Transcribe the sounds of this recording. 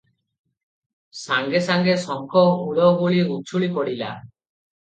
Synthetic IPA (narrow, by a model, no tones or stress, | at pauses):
saŋɡesaŋɡesɔŋkʰɔuɽɔɡuɭiut͡ʃʰuɭipɔɽila̰